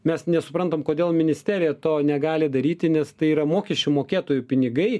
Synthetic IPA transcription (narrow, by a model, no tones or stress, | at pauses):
mʲɛsnʲɛsʊpɾɐnt̪oːmkoːd̪ʲeːlˠmʲɪnʲɪsʲt̪ʲæːɾʲɪjɛt̪oːnʲɛɡɑːlʲɪd̪ɐɾʲiːt̪ʲɪnʲɛst̪ɐɪiːɾɐmoːkʲɛʃʲt͡ʃʲʊmoːkʲeːt̪oːjʊpʲɪnʲɪɡɐɪ